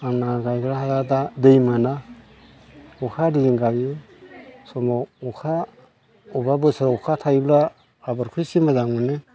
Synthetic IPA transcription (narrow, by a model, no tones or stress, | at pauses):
aŋnaɡajɡɾaɦazadadɯjmɯna | ukʰadiiŋɡaɡɯ | sɔmaukʰa | ubabɯsaɾukʰatʰajblaː | baɾkʰujsimazaŋunɯ